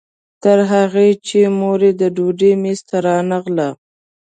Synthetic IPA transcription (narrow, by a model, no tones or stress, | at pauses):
t̪əɾɦaɣet͡ʃemoɾed̪əɖuɖemest̪aɾɑnaɣla